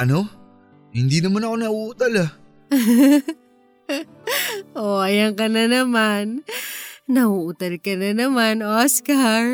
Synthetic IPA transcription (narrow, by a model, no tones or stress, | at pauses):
ʔɐno | hɪnd̪inɐmanɐkonɐʔuʔut̪ala | ʔoʔɐjɐŋkɐnɐnɐman | nɐhuʔʊt̪ɐlkɐnɐnɐmanoskaɹ